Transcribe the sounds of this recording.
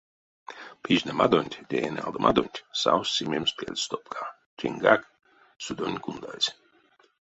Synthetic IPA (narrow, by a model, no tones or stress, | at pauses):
pʰiʒnɛmad̪onʲt̪ʲd̪ʲeenʲalˠd̪omad̪onʲt̪ʲsawsːimʲemspiɛ̰lʲst̪opkʰa | t͡ʃiŋɡak | sud̪onʲkund̪a̰lʲsʲ